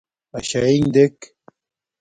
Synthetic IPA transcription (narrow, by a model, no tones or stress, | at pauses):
ɐɕaiŋd̪ek